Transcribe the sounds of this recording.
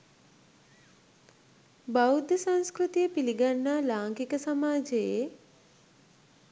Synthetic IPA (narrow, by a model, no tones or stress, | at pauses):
bawud̪əsaŋskɾut̪ijəpiliɡanːalaːŋkikəsamaːd͡ʒeje